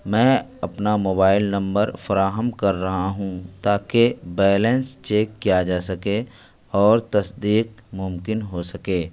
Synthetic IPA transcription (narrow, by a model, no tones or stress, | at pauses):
mɛ̃ːɐpnamoːbaːɪlnɐ̃mbəɾfɐɾaːɦəmkɐɾːɐɦaɦũt̪aːkebɛːlɛ̃nst͡ʃeːkːijad͡ʒaːsɐke | ɔːɾt̪ɐsd̪iːq̚mʊmkɪnɦosɐkeː